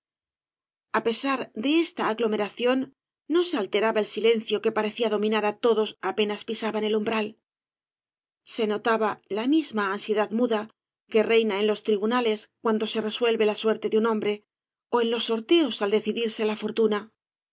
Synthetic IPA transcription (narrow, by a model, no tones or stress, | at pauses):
ape̞saɾd̪e̞est̪aːɣlo̞me̞ɾaθjo̞nː | o̞se̞alt̪e̞ɾaβae̞lsile̞n̟θjo̞ke̞paɾe̞θiaðo̞mĩnaɾat̪o̞ðo̞sape̞naspisaβane̞lumbɾal | se̞no̞t̪aβalamizmaːnsje̞ðaðmuða | ke̞re̞jnae̞nlo̞st̪ɾiβunale̞skwand̪o̞se̞re̞swe̞lβe̞laswe̞ɾt̪e̞ðunõ̞mbɾe̞ | o̞e̞nlo̞sːo̞ɾt̪e̞o̞sald̪e̞θiðiɾse̞lafo̞ɾt̪una